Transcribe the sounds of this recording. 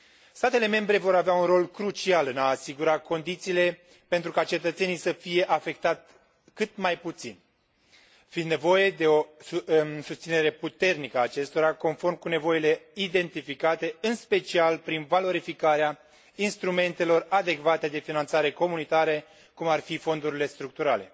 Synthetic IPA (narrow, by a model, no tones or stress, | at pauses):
st̪at̪e̞le̞me̞mbɾe̞vo̞ɾaveaunro̞lkɾut͡ʃialɨnaːsiɡuɾako̞nd̪it̪siːle̞ | pe̞nt̪ɾukat͡ʃe̞t̪ət̪se̞nijsəfije̞ʔafe̞k̚t̪at̪ | kɨt̪majput̪sḭn | find̪ne̞vo̞je̞d̪e̞o̞ | sust̪sine̞ɾe̞put̪e̞rnikəaːt͡ʃe̞st̪o̞ɾako̞nfo̞rmkune̞vo̞ile̞id̪e̞nt̪ifikat̪e̞ɨnspe̞t͡ʃialpɾinvalo̞ɾifikaɾea | inst̪ɾume̞nt̪e̞lo̞rad̪e̞kvat̪e̞d̪e̞finant̪saɾe̞ko̞munit̪aɾe | kumarfifo̞nd̪uɾile̞st̪ɾuk̚t̪uɾale̞